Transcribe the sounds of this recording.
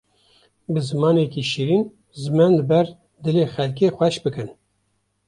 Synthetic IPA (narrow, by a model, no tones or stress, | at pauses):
bɨzɨmɑːnekiːʃiɾiːn | zɨmɛnlɨbɛɾ | d̪ɨleːxɛlk̬eːxʷɛʃbɨkɨn